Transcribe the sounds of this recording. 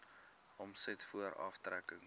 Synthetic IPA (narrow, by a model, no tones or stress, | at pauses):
ɔmsɛtfuəɾɐ̰ftrækəŋ